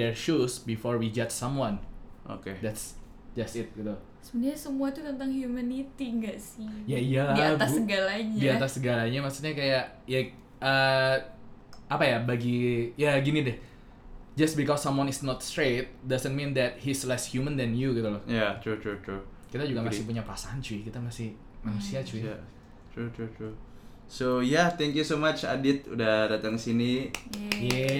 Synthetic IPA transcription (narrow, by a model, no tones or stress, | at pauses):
dɛɹʃusbifɔɹwid͡ʒat̪̚sãmwanʔo̰ked̪ɛts | d͡ʒast̪ɪt̪̚ɡit̪u | səbəndarɲasəmuat̪ut̪ənt̪aŋhjumanit̪iŋɡaʔsɪjaijadiaassəɡalaɲdaiat̪asːəɡalaɲamasut̪̚ɲakajaʔ | ja | ə | apajabaɡijaɡinidɪh | d͡ʒasbikɔsːamwanɪsnɔt̪st̪ɾet̪̚dazənmĩnd̪ɛt̪̚hislɛshjumə̃nd̪ɛnjukit̪ulɔhjat̪ɾut̪ɾut̪ɾu | kit̪ad͡ʒuɡamasɪhpuɲapəɾasaɦant͡ʃukit̪amasɪh | manusiat͡ʃuɛ | t̪ut̪utu | sojat̪ɛŋkjusomat͡ʃa̰dɪt̪̚ṵdahdat̪aŋsinijɛ